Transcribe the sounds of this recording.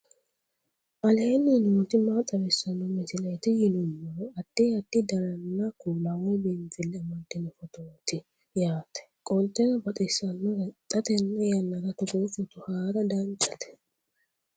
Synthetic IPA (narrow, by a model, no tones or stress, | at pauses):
ʔɐleːnːɪnut̪ɪmaːt̪ʼːɐbɛsɐnːɔmɛsɪlet̪ɪjɪnʊnːɔɾɔɐt̪ːiːɐt̪ːɪd̪ɐɾɐnːakulawbeːnfɪlːɛɐmɐnt̪ːɪnɛfɔt̪oːt̪ɪ | jaːt̪ɛ̥kʼɔlt̪ɛnɐbɐt̪ʼɪsɐnːɔɾɛt̪ʼɐt̪ɛnːɛjɐnːɐɾɐt̪ʊɡofɔt̪ʊhaːɾɐd̪ant͡ʃʼɐ̥t̪ɛ̥